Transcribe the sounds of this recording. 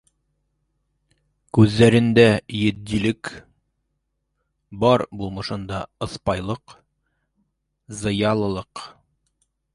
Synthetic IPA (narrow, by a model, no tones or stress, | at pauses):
kʉzːæɾɘ̆nd̪æjɘ̆d̪ːilɘk | bɒɾbulˠmɤ̆ʃɤnd̪ɑɤ̆spɑjlˠɤq | zɤ̆jɑlˠɤ̆lˠɤq